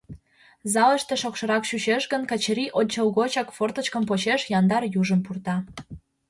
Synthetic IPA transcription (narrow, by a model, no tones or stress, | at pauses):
zɑlə̆ʃt̪eʃokʃɤ̆ɾɑkʃuɕeʃɣə̆nkɑt͡ɕəɾiʔonʲt͡ɕəlɣot͡ɕɑkfort̪ə̆t͡ɕkə̆mpot͡ɕeʃjɑnd̪ɑrjuʒə̆mpurt̪ɑ